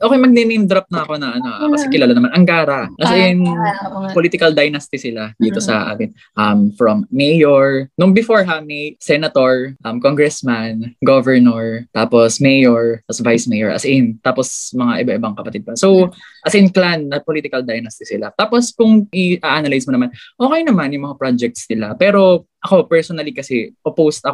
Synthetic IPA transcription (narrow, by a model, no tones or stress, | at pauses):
ʔoːkejmɐɡ̚nɪnɪnd̪ɾɐp̚nɐɐko̞nɐʔɐnoʔakɐsɛkɪlaːlanɐmanʔɐŋkaːɾɐʔɐsʔɪnpoliːt̪ɪkɐld̪ajnast̪ɪsɪlad̪iːt̪o̞sɐ̰ʔa̰ːmɪn | ʔɐmfɹɐmːɛjoɹnʊŋbɪfoɹɦamɛsɛnɐt̪oɹʔɐmkoŋɡɹɛsmanɡovɛɹnoɹt̪aːposmejoɹɐsvajsmɛjoɹʔɐ̰sʔɪnt̪aːposmɐŋaʔɪbaʔɪbaŋkɐpɐt̪ɪd̪̚pɐsow | ʔɐsɪnklanːɐpoliːt̪ɪkɐld̪ajnast̪ɪsɪlat̪aːposkʊŋʔɪʔaʔanɐlajsmonɐmanʔoːkɛjnɐmanjʊŋmɐŋapɹad͡ʒɛk̚t̪sɪlapɛːɾo̞ʔɐko̞pɛɹsonɐlikɐsɛpopowst̪ʔɐ